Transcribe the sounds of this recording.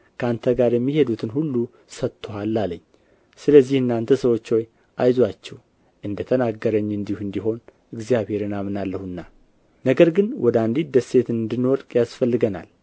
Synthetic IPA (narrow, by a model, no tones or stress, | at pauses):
kʰəant̪ʰəɡaɾjɛmːihe̞d̪ut̪ʰɨnhulːu | sət̪ʰːohalːalə̰ɲː | sɨləzːihɨnːant̪ʰəsəwo̞t͡ʃːo̞j | ʔajzwat͡ʃːɛw | ʔɨnd̪ət̪ʰənaɡːəɾəɲːɨnd̪ihuɨnd̪iɦo̞n | ɨɡzjaβhe̞ɾɨnamɨnalːəhɨnːa | nəɡəɾɡɨnwʔɔd̪and̪id̪əse̞t̪ɨnɨnd̪ɨnːwɔɾkʼjasfəlːɨɡəna̰l